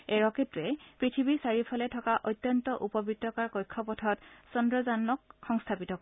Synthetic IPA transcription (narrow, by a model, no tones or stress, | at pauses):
ɛɹɔketɹɛpɹitʰibisaɹipʰɔlɛtʰɔkaʔɔjt̪ːjɔntɔʔupɔbitːɔkaɹkɔjkʰːɔpɔtʰɔtsɔndɹɔzanːɔkːɔŋstʰapitɔkɔ